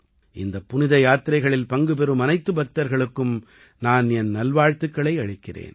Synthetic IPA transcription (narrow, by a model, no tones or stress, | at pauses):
ʔɪ̰nd̪ɐpːʊnɪðɐjaːt̪ːɪɾɐɪɣɐɭɪlpɐŋɡɯpɛɾɯmɐnɐɪt̪ːɯbɐk̚t̪ɐɾɣɐɭɯkːɯm | naːnɛnːɐlʋaːɻt̪ɯkːɐɭɐɪɐɻɯkːɪrḛːn